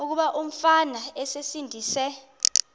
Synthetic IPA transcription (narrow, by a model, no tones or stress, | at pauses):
uk̬uɓaʔum̩fanaɛsesindʱiːsɛ